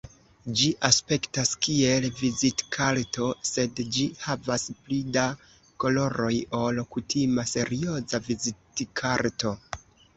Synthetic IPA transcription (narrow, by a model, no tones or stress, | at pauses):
d͡ʒiʔaspe̞ktaskie̞lvizitkʰaɾto̞se̞dd͡ʒihavasplida | ko̞lo̞ɾo̞jo̞lkutʰimase̞ɾio̞zavizitkʰaɾto̞